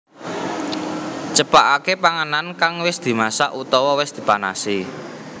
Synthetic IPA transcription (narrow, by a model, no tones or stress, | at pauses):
t͡ʃəpaʔakepaŋanankaŋwɪsd̪̥i̤masa̰ʔut̪ɔwɔwɪsd̪̥i̤pana̰si